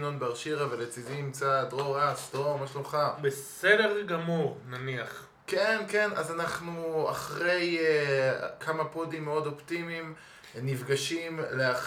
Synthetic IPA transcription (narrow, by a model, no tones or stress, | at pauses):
nonbeaʁʃiʁavalet͡sizimt͡sadʁoʁasd̪̥omaʃuχabesedeʁɡamuʁnaniaχ | kenke̞na̰zanaχnua̰χʁe̞j | kʰamapodimːeo̞do̞ptimim | nivɡaʃimlea